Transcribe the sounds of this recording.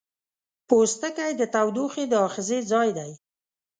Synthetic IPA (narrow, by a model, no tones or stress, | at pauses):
post̪əkajd̪ət̪awd̪uxed̪əɑxɪzed͡zɑjd̪aj